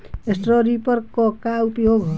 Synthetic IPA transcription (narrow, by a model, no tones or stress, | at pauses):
esʈroɾipʌrkːɔkaut̪joɡ